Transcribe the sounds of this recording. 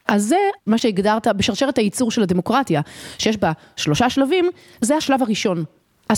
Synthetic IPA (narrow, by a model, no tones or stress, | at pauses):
ʔaze̞maʃeiɡdaʁt̪abeʃaʁʃeet̪hajit͡suʁʃe̞lad̪e̞mo̞kʁatjaʃejeʃ̬ba | ʃlo̞ʃaʃlavim | zehaʃlavaʁiʃo̞n | a